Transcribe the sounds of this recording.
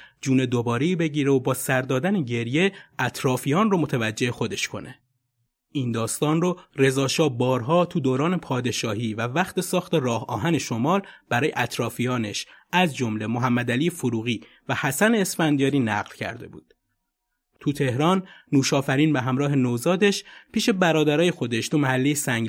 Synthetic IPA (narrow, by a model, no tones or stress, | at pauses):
d͡ʒuːne̞d̪obɒːɾeiːbe̞ɟiːɾeobɒːsæɾd̪ɒːd̪æneɟe̞ɾje̞ʔæt̪ʰɾɒːfijɒːnromot̪ʰævæd͡ʒːe̞hexo̞d̪e̞ʃkʰo̞̰nʔe̞ | ʔiːnd̪ɒːst̪ɒːnrore̞zɒːʃɒːbɒːɾɦɒːt̪ʰud̪oːɾɒːne̞pʰɒːd̪e̞ʃɒːɦiːvævæxt̪e̞sɒːxt̪e̞rɒːhɒ̰ːɦæne̞ʃo̞mɒːlb̥æɾɒːjeʔæt̪ʰɾɒːfijɒːne̞ʃæzd͡ʒo̞mle̞moɦæmːæd̪æliːefoɾuːɣiː | væhæsæne̞ːsfænd̪iɒːɾiːnæ̰ɣlcʰæ̰ɾd̪e̞̰bṵːd̪̥ | t̪ʰut̪ʰe̞hɾɒːnːuːʃɒːfæɾiːnbeɦæmɾɒːɦe̞nozɒːd̪e̞ʃpʰiːʃe̞bæɾɒːd̪æɾɒːje̞xo̞d̪e̞ʃt̪ʰumæhælːejesæŋɡ